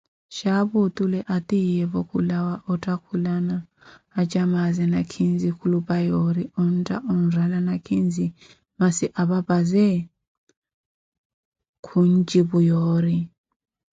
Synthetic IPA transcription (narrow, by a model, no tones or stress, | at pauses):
ʃaβut̪ʼulɛʔatʼijɛβɔkʰulawaʔɔtʼakʰulanaː | t͡ʃʼamazɛnakʰind͡zikʰulupʼajɔɾiɔn̩tʼaʔɔnralanakʰind͡zi | masiʔaβabazɛ | kʰund͡ʒiβujɔːɾi